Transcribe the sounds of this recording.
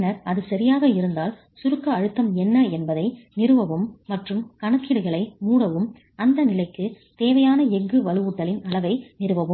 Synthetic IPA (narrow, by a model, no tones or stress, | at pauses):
nɐɾɐðɯsɐɾɪjaːɣɐɪɾɯnd̪aːl | sʊɾɯkːɐːɻɯt̪ːɐmɛnːɐɛnbɐðɐɪnɪɾɯʋɐʋɯmːɐʈrɯmkɐɳɐkːɪɽɯɣɐɭɐɪmuːɽɐʋɯm | ɐnd̪ɐnɪlɐɪkːɯ | t̪eːʋɐjaːnɐɛŋɡɯʋɐlɯuːʈːɐlɪnɐɭɐʋɐɪnɪɾɯʋɐʋɯm